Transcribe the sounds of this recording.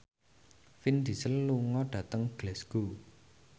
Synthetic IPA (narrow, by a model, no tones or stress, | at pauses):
find̪̥i̤səlːuŋɔɖ̥ä̤t̪əŋɡ̥lɛsɡ̥o